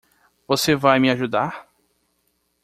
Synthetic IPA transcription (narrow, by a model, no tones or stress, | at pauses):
vosevajmɪaʒud̪aɾ